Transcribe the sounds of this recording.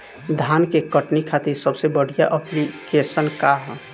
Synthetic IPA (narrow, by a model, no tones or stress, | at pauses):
d̪ʱaːnkekəʈnikʰat̪iɾsəbsebəɽ̤ijaʔəplikesənkaɦ